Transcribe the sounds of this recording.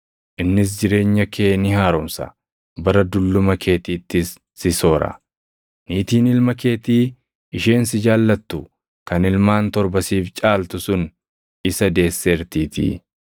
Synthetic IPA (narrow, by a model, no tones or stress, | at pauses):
ʔɪnːɪs̬d͡ʒɪɾe̞ːɲːɐkʰe̞ːnɪhaːɾɔmsɐ̰ | bɐɾɐd̪ʊlːʊmɐkʰe̞ːt̪iːt̪ːɪsː | ɪso̞ːɾɐ̰ | niːt̪iːnɪlmɐke̞ːt̪iː | ɪʃe̞ːnsɪd͡ʒaːlːɐt̪ːʊ | kɐnɪlmaːnt̪ɔɾbɐsiːft͡ʃʼaːlt̪ʊsʊn | ɪsɐd̪e̞ːsːeːɾt̪iːt̪ḭ